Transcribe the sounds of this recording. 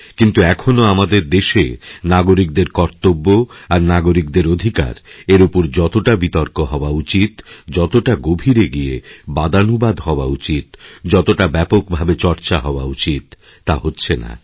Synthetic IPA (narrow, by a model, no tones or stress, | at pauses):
kint̪uɛkʰonoamad̪eɾd̪eʃḛnaɡoɾik̚d̪eɾkɔɾt̪obːoaɾnaɡoɾik̚d̪eɾod̪ʱika̰ɾeɾupoɾd͡ʑɔt̪oʈabit̪oɾkoɦɔoaut͡ɕit̪d͡ʑɔt̪oʈaɡobʱiɾeɡiebad̪anubad̪ɦɔoaut͡ɕit̪d͡ʑɔt̪oʈabɛpok̚bʱabet͡ɕɔɾt͡ɕaɦɔoa̰ut͡ɕit̪ː | aɦotːɕʰena̰